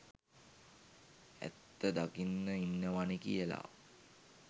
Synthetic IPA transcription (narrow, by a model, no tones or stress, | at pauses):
æ̰t̪ːəd̪akinːəinːəʋanikḭjəla̰